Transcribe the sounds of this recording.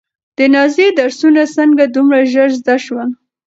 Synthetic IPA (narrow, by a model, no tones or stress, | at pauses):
d̪̥ənɑzed̪aɾsunasəŋɡad̪umɽaʒəɾzd̪aʃwa